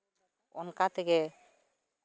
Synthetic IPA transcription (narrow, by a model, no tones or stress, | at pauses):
ɔ̰nkat̪ʰɛkɛ